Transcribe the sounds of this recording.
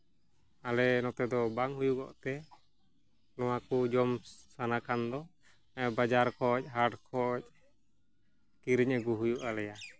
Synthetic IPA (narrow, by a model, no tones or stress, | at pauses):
alɛnɔt̪ɛd̪ɔbaŋɦujuɡɔ̰ʔt̪ɛ | lɔwakud͡ʒɔmsanakʰand̪ɔ | bad͡ʒaɾkʰɔc̚ˀɦaʈkʰɔʔc̚ | kiɾiɲaɡuɦujuʔalɛja